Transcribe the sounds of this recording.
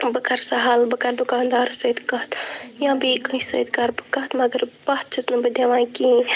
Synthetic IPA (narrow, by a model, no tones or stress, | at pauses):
bəkʰɐɾsɐɦalbɐkɐɾd̪ʊkaːnd̪aːɾsɐd̪kɐt̪jãːbiːkɐĩsɐ̰ːd̪kaːɾbɨkɐɦt̪mɐɡəɾbɐt̪̚t͡ʃʰɐsnɐbɐd̪jɐʋãːki